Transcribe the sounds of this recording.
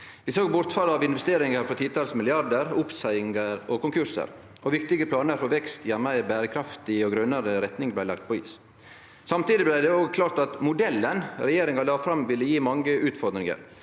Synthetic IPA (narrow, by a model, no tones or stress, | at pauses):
ʋɪsoːɡbʊɾt̪fɑlɑːʋɪnʋɛst̪eːɾɪŋəɾfɔt̪ʰiːt̪ʰɑːlsmɪlɪɑɾd̪əɾʊpsæɪɪŋəɾɔkʊŋkʰʉɾsə̰ɾ | ʔɔʋɪk̚t̪ɪɡəpʰlɑːnəɾfɔʋɛkst̪jæmæɪbæːɾəkʰɾɑft̪ɪɔɡɾœnəɾəɾɛt̪nɪŋblæɪlɑ̰k̚t̪̚pʰɔḭːs | sɑmt̪iːd̪ɪblæɪd̪ɛoːɡkʰlɑːɾt̪ɑt̪mʊd̪ɛlːənɾɛjeːɾɪŋɑlɑːfɾɑmʋɪlːəjiːmɑŋɡəʔʉːt̪fɔɾd̪ɾɪŋə̰ɾ